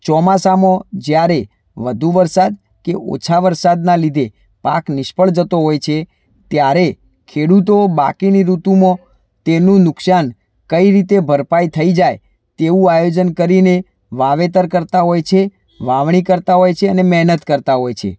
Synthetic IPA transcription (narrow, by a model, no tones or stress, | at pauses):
t͡ʃɔmasamõd͡ʒjaɾe | ʋəd̪ʱuʋəɾsad̪ | keo̰t͡ʃʰaʋəɾsad̪nalid̪ʱe | pa̰knɪʃpəɭd͡ʒət̪oɦojt͡ʃʰe | t̪jaɾe | kʰeɽut̪oba̰kiniɾut̪umõ | t̪enũnʊksan | kəiɾit̪ebʱəɾpajt̪ʰəid͡ʒaj | t̪eʋũajod͡ʒənkəɾine | ʋaʋet̪əɾkəɾt̪aɦojt͡ʃʰe | ʋaʋɳ̃ikəɾt̪aɦojt͡ʃʰeənemɛɦnət̪kəɾt̪aɦojt͡ʃʰḛ